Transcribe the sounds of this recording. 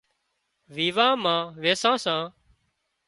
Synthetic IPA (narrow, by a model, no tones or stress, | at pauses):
ʋiːʋãːmãːʋeːsãːsãː